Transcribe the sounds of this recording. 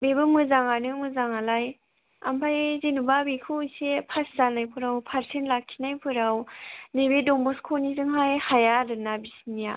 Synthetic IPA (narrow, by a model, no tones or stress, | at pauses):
bebɯmɯzaŋanɯmɯzaŋalaj | a̰mpʰajzinubabikʰɯsepʰaszanajpʰɯɾawpʰaɾsʰenlakʰːinajpʰɯɾawnebedɔŋbɔskʰɔnizɯŋɦajhajaɾɯnabisinija